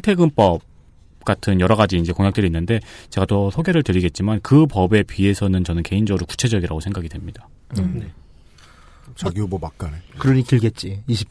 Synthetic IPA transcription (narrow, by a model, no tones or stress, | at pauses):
itʰe̞ɡɯmp͈ʌb̚ | k͈atʰɯnjʌɾʌɡad͡ʑiːnd͡ʑe̞koŋjak̚t͈ɯɾiːnːɯnde̞t͡ɕe̞ɡat͈osʰoɡe̞ɾɯɭtɯɾiɡe̞t̚t͡ɕ͈imankɯpʌbe̞pɥie̞sʰʌnɯnt͡ɕʌnɯnke̞ind͡ʑʌɾuku̥t͡ɕʰe̞d͡ʑʌɡiɾaɡosʰe̞ŋɡaɡidwe̞mɲid̥a | ne | t͡ɕaɡijobomak͈̚anekɯɾʌɲitɯɭɡe̞t̚t͡ɕ͈iiɕʰi̥p